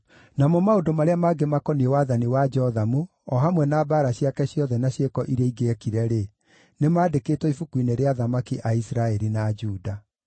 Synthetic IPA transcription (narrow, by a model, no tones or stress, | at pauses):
namɔmaodomaɾeamaːɡemakɔniewaðaniwad͡ʒɔðamu | ɔɦamwɛnaːbaɾaɕiakɛɕjɔðɛnaɕekɔʔiɾɛiɡeɛkiɾɛɾe | nemaːdekeːtwɔifukwineɾeaðamakiʔaisɾaɛɾinad͡ʒuːda